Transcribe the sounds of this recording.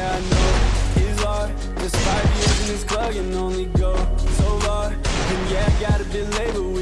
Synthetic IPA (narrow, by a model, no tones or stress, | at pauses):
aɪnoʊizə̥ | ʒ̥ʌstfaɪvjɪɹzɨ̃nɨz̥kʰl̥ʌkɨ̃nõʊ̃nliɡoʊsoʊvɑ | ɨ̃njæaɡɑɾɨbɪdˡleɪbə˞wɪ